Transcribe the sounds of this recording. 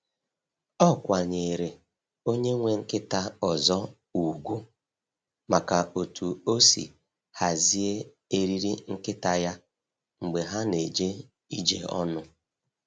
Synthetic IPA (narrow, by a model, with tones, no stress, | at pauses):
ɔ˦kʷa˨ɲe˨ɾe˨ | o˦ɲe˦ŋʷe˨ŋ̩˦kɪ˦ta˦ɔ˨zɔ˦ | u˨ɡʷu˦ | ma˨ka˨o˨tu˨o˦sḭ˨ | ha˨zi˦e˦ | e˦ɾi˦ɾi˦ŋ̩˦kɪ˦ta˨ja˦ | ŋ͡m̩˨ɡ͡be˨ɦa˦ne˨d͡ʒe˦ | i˦d͡ʒḛ˨ɔ̰˦nʊ˦